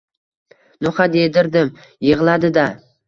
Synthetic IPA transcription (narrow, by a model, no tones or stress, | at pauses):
noχad̪ed̪ɪɾd̪ɪm | jɨʁlˠad̪ɪd̪a